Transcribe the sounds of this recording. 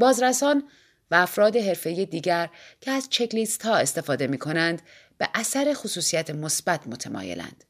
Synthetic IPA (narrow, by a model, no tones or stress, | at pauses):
bɒːzɾæsɒːn | væːfɾɒːd̪e̞ɦe̞ɾfe̞iːje̞d̪iːɟæɾcʰeæzt͡ʃʰe̞clist̪hɒːe̞st̪e̞fɒːd̪e̞miːkʰo̞nænd̪ | b̥e̞ʔæsæɾe̞xosuːsijæt̪ʰemosbæt̪ʰmo̞t̪ʰemɒ̰ːje̞̰lʔæ̰nd̪̥